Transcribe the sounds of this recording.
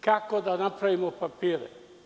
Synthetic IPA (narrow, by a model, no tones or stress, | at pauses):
kakod̪anapɾaʋimopapiːɾɛ̰